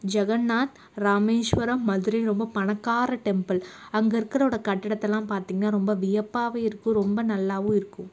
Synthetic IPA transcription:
d͡ʒɐɣɐnːaːt̪ | ɾaːmeːʂʋɐɾɐmːɐðɯɾɐɾɔmbɐpɐɳɐkːaːɾɐʈɛmpɐlɐŋɡɐɪɾɯkːɪɾɐoːɽɐkɐʈːɪɽɐt̪ːɛlːãːmpaːɾt̪iːŋɡɐnːaːɾɔmbɐʋɪjɐpːaːʋeːɪɾɯkːɯ̃ɾɔmbɐnɐlːaːʋɯ̃ɪɾɯkːɯ̃m

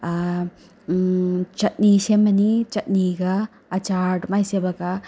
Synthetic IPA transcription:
t͡ʃɐt̚nisemːɐnit͡ʃɐt̚niɡɐː | t͡ʃaɾʈmajsebɐka

